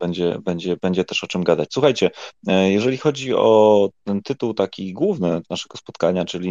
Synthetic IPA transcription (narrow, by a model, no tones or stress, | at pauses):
bɛɲd͡ʑɛ̰bɛɲd͡ʑɛbɛɲd͡ʑɛt̪ɛʂɔt͡ʂɘmɡad̪at͡ɕʲswuxajt͡ɕɛjɛʐɛlʲixɔd͡ʑiɔt̪ɛnt̪ɘt̪uwt̪akʲiɡwuvnɘnaʂɛɡ̥ɔspɔt̪kaɲat͡ʂɘlʲi